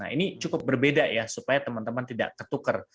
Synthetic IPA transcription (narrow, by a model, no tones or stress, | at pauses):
a̰ḭnit͡ʃukʊp̚bərbedajasupajat̪əmant̪əmant̪ida̰ʔkət̪ukər